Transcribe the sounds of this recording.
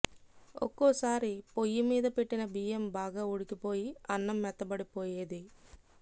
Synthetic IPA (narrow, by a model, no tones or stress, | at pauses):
o̰kːoːsaːɾipojːimiːd̪ɐpe̞ʈːinɐbiːembaːɡaːuɽikipoːjiɐnːɐmːɛt̪ːɐbɐɽipoːje̞ːd̪i